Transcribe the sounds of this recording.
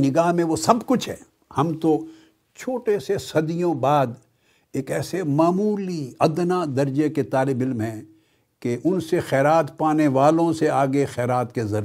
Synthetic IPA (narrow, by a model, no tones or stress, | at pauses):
nɪɡaːɦmẽʋosɐbkʊt͡ʃʰɦɛ̰ː | hɐmt̪o | t͡ʃʰoːʈesesɐd̪ijõbaːd̪ | eːkɛːsemaːmuːliɐd̪nad̪ɐɾd͡ʒeket̪aːlɪbɪlmɦɛ̃ | keʔʊnsexɛːɾaːt̪paːneʋaːlõseaːɡexɛːɾaːt̪kezɐɾ